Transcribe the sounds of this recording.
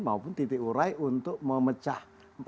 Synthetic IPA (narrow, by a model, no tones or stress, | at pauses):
maupʊnt̪it̪ɪʔuɾaiʔunt̪ʊʔməmət͡ʃah | p